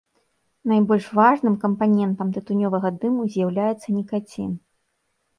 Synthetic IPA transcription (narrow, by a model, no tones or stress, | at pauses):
najbɔlʲʂvaʐnɨmkɐmpanʲɛnt̪ɐmt̪ɨt̪unʲɔvɐɣɐd̪ɨmuzʲjawlʲajɛt̪sːɐnʲikat͡sʲḭn